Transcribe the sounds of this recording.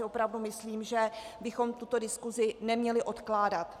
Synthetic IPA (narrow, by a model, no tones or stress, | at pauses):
ɪopɾavdumɪsliːmʒɛbɪxo̞mt̪ut̪o̞dɪskuzɪnɛmɲɛlɪʔo̞t̪klaːdat̪